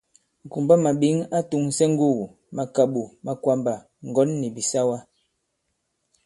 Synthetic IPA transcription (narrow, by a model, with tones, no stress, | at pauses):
ŋ˨ku˨mba˦ma˨ɓi˨˦ŋa˦tu˨ŋsɛ˦ŋ̩˦ɡu˦˨wu˨ | ma˨ka˨ɓu˨ma˨kwa˦mba˨ | ŋ̩˨ɡɔ˨˦nːi˨bi˨sa˦wa˦